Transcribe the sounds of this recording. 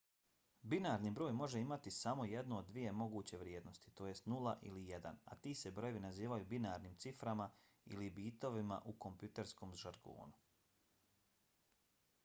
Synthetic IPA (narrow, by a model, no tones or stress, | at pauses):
binaːɾnibɾo̞ːjmo̞ʒeimat̪isamo̞je̞d̪nuod̪ːʋije̞mo̞ɡuːt͡ɕe̞ʋɾje̞ːd̪no̞st̪i̥t̪o̞ːjest̪nulaʔilijed̪a̰na̰t̪iːsebɾo̞jeʋinaziːʋajubinaːɾniːmt̪sifɾama | ḭlibiːt̪o̞ʋima̰ʔuko̞mpjut̪e̞ɾsko̞ːmʒaɾɡo̰ːnu